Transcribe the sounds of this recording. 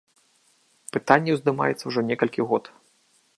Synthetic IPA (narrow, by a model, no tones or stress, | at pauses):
pɨt̪anʲːɛwzd̪ɨma̰jɛt̪sːɐwʐɔnʲɛkɐlʲkʲiɣɔt̪